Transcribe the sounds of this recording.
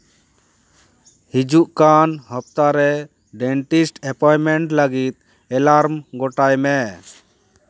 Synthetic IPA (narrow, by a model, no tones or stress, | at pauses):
hid͡ʒuʔkanɦəp̚t̪aɾɛ | ɖɛɳʈisʈɛpɔjmɛɳʈləɡit̪̚ | ɛlaɾmɡɔʈajmɛ